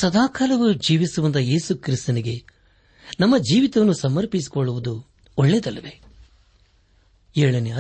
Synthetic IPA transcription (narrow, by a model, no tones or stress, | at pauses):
sɐd̪aːkaːlɐʋud͡ʒiːʋisuʋɐnd̪ɐje̞ːsukɾist̪ɐniɡe̞ | nɐmːɐd͡ʒiːʋit̪ɐʋɐnːusɐmɐɾpis̬i̥koɭːuʋud̪u | ɔɭːed̪ɐlːɐʋe̞ | eɭɐneɐ